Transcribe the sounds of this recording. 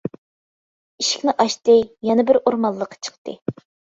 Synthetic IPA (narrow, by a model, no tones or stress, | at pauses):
iʃi̥kʲnɪʔɑʃt̪ɨjɛnɨbɪɾoɾmɑlˠːəqʰːɑ̥t͡ʃʰə̥qt̪ɨ̰